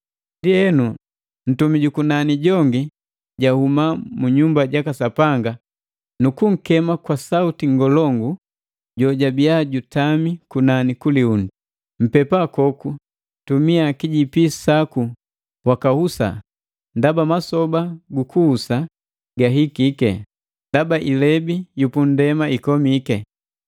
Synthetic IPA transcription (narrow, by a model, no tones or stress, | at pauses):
ndiɛnu | n̩tumiɟukunaniɟɔŋɡi | ɟahumamuɲumbaɟakasapaŋɡa | nukuŋ̩kɛmakwasautiŋɡɔlɔŋɡu | ɟɔɟabiaɟutamikunanikuliundu | m̩pɛpakɔku | tumiakiɟipisaku | wakahusa̰ | ndabamasɔbaɡukuhusa | ɡaɦikikɛ̰ | ndabaʔilɛbijupun̩dɛmaikɔmikɛ